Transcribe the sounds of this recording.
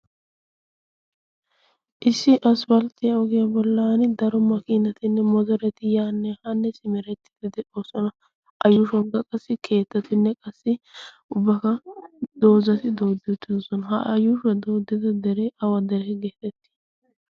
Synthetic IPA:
ʔɪsːɪʔɐsfɐlt̪ɪjɐɔɡɪjɐbɔlːɐɐnɪd̪ɐɾɔmɐkɪnɐt̪ɪnːɛmɔzɔɾɛt̪ɪjaːnːɛhɐnːɛsɪmɛɾɛt̪ːɪ̥d̪ɪd̪ɪoːsɔnɐ | ʔɐjːʊʃɔŋɡɐkʼɐsːɪkʰe̞ːt̪ːɐt̪ɪnːɛkʼɐsːɪ | ʊbːɐkɐd̪̥o̞ːzɐt̪ɪd̪o̞ːd̪ɪt̪ːɪsɔnɦɐ̰ɐjʊʃɛd̪oːd̪ːɪd̪ɐd̪ɛɾɛɐwɐd̪ɛɾɛɡeːt̪ɛt̪ːɪ̥

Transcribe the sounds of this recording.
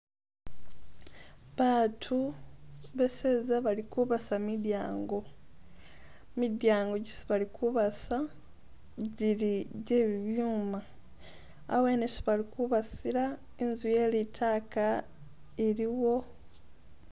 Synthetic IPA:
βatʰu | βe̞seːzaβalikuβasamidjaːŋɡo̞ | midjaːŋɡo̞ɟisi̥βalikʰuβasa | ɟiliɟe̞ːβiβjuːma̰ː | we̞ːnesi̥βalikuβasiɾa | enzuje̞ːlitʰaːka | eɾiwo̞

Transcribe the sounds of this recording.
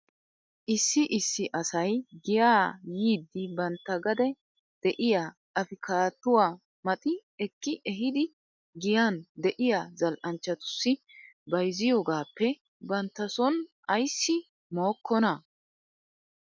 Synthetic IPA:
ʔɪsːɪʔɪsːɪʔɐsɐjɡɪjaːjiːd̪ːɪbɐnt̪ːɐɡɐd̪ɛ | d̪̥ɛʔɪjaː | ɐfɪkʰaːt̪ːʊwaː | mɐt̪ʼɪɛkːɪʔɛɦɪd̪ɪ | ɡɪjand̪ɛʔɪjaːzɐlʔɐnt͡ʃːɐt̪ʊ̥sːɪ | bɐjzɪjɔːɡaːpːɛ | bɐnt̪ːɐsɔnʔɐjsːɪ | moːkːɔnɐ

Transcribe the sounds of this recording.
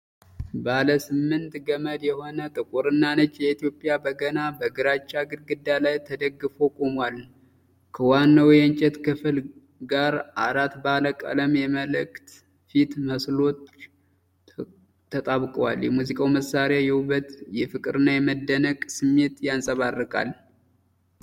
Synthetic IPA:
baləsɨmːɨnt̪ɡəməd̪jɛho̞nət̪ʼɨkʼuɾɨnːanət͡ʃːjɛit̪ijo̞pʼːjabəɡənabəɡɨɾat͡ʃːaɡɨlɡɨd̪ːalajt̪ʰəd̪əɡːɨfo̞kʼomwal | kʰəwanːawjɛnt͡ʃʼɛt̪kʰɨfɨl | ɡaɾʔaɾat̪baləkʼa̰ləmjɛməlɨkt̪ | fit̪məslo̞t͡ʃː | ət̪ʼaβkʼwaljɛmuzikʼawməsaɾeajɛhuβət̪jɛfɨkʼɨɾɨnːajɛməd̪ːənəkʼsɨmːe̞t̪jansʼəβarːɨkʼa̰l

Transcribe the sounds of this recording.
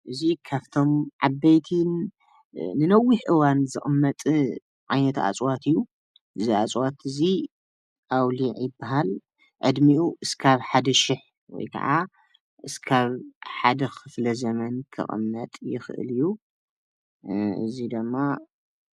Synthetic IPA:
ʔɨzikʰaft̪ʰo̞mʕabːɐjt̪ʰin | nɨnɐwːiħʔɨwanzɨʔʼɨmːɐt̪ʼ | ʕajnɐt̪a̰t͡sʼwat̪ʰijːu | ʔɨziat͡sʼwat̪ɨzi | ʔawliʕjɪbːaɦal | ʕɨd̪miʔuʔɨskʰaβħad̪ɐʃɪħ | wɔ̰jkʰɐ̰ʕa | ʔɨskʰaβħad̪ɐxɨflɐzɐmɐnkʰɨ̰χʼɨ̰mːɐt̪ʼjɪxʔɨ̰lɨjːu | ʔɨ̰zid̪ɨmːa

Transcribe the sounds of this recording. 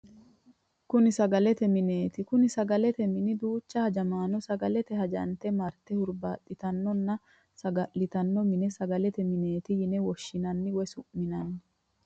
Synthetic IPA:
kʊnɪsɐɡɐlɛt̪ɛmɪne̞ːt̪ɪkʊnɪsɐɡɐlɛt̪ɛmɪnɪd̪uːt͡ʃːɐhɐd͡ʒɐmaːnːɔsɐɡɐlɛt̪ɛɦɐd͡ʒɐ̰nt̪ɛmɐɾt̪ɛhʊɾba̰ːt̪ʼːɪt̪ɐnːɔnːɐ | sɐɡɐlːɪt̪ɐnːɔmɪnɛsɐɡɐlɛt̪ɛmɪneːt̪ɪjɪnɛwɔʃːɪnɐnːɪwɛsʊʔmːɪnɐnːɪ

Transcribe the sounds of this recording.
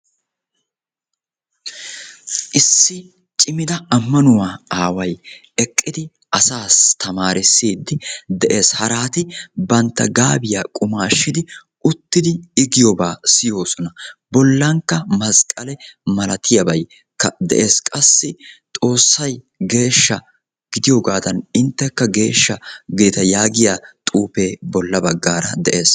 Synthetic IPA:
ʔɪsːɪ | t͡ʃʼɪmɪd̪ɐɐmːɐnʊwaːaːwɐj | ɛkʼːɪd̪ɪ | ʔɐsaːst̪ʰɐmaːɾɪsːiːd̪ːɪd̪ɛʔe̞ːshɐɾaːt̪ɪbɐnt̪ːɐ̰ɡaːbɪjaːkʼʊmaːʃːɪd̪ɪ | ʊt̪ːɪd̪ɪːɡɪjɔbaːsɪjo̞ːsɔnɐbɔlːɐŋkːɐmɐskʼɐlɛmɐlɐt̪ʰɪjɐbɐj | kːɐd̪ɛ̰ʔe̞ːskʼɐsːɪt̪ʼo̞ːsːɐj | ɡe̞ːʃːɐ | ɡ̥ɪd̪ɪjoːɡaːd̪ɐnɪnt̪ːɛkːɐɡe̞ːʃːɐɡɪd̪ɪt̪ɐjaːɡɪjaːt̪ʼuːpe̞ːbɔlːɐbɐɡːaːɾɐd̪ɛʔe̞ːs

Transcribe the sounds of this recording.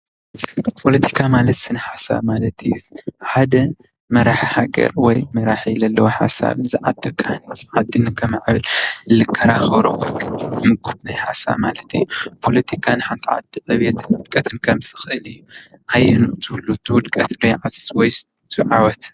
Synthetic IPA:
pʰo̞lɐt̪ʰi̥kʰamalɐt̪sɨnɐħasa̰βmalɐt̪ʰjħad̪ɐ | mɐɾaħhaɡɐ̰ɾwɔjmɐɾaħijlɐlːɐwoħa̰sa̰βnɨzɨʕad̪ːɨkʼanɨzɨʕad̪ːɨnɨkʰɐmaʕβɨllɨkʰːɐɾaxɐβɾowɐɾkʰʼɨt̪ʰɨmɨɡut̪najħasa̰βmalɐt̪ʰɨ̰jːupʰolɐt̪ʰikʰanɨħant̪ʰiʕa̰d̪ɨʔɐβet̪ʰɨnwʊd̪kʼɐt̪ʰɨnkʰɐmsɨ̥xɨʔɨlɨjːuʔajːɛnut̪ʰɨlːut̪ʰɨwʊd̪kʼɐt̪nojʕazɨ̥swɔjs | t̪ʰɨʕawɔt̪

